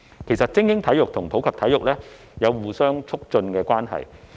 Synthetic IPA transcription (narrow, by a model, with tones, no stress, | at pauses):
kʰe˨˩jsɐ˨t̚t͡sɪ˥ŋjɪ˥ŋt̪ʰɐ˨˥jʊ˨k̚t̪ʰʊ˨˩ŋpʰo˨˥wkʰɐ˨p̚t̪ʰɐ˨˥jʊ˨k̚lɛː˥ | jɐ˨˧wwuː˨˩sœː˥ŋt͡sʰʊ˥k̚t͡ʃɵ˧nkɛː˧kwaː˥nɦɐ̰˨j